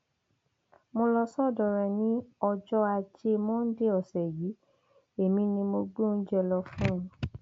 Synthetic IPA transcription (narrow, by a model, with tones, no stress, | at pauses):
mo˧lɔ˧sɔ˦˨dɔ˨˧˨ɾɛ˧˨nĩ˦ɔ˧d͡ʒɔ˦a˧d͡ʒe˧mɔ̃˦n̩˦de˦ɔ˨sɛ˨ji˨˦ | e˨mĩ˧nĩ˧mo˧ɡ͡bõ˦˨n̩˦d͡ʒɛ˦˧lɔ˧fũ˦˧˨